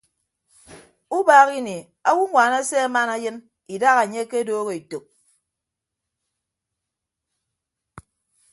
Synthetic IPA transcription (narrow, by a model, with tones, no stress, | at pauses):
u˦baː˦ɣi˦ne˨ | a˦wu˦ŋʷaː˨na˦se˦a˦ma˦na˦jɨ˦n | i˨da˦ɣa˨ɲe˦ke˦doː˦ɣe˨i˨to˨k̚